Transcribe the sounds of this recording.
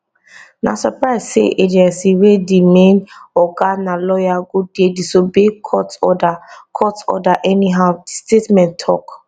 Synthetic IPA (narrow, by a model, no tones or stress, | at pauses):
na̰sɔpɹaɪzsḛʔed͡ʒɛ̃nsiwedimẽnɔɡanalɔjaɡud̚dedisobekʰɔtɔdakʰɔtɔ̰daʔɛniɦaʊdistetmɛ̃ntʰɔ̰k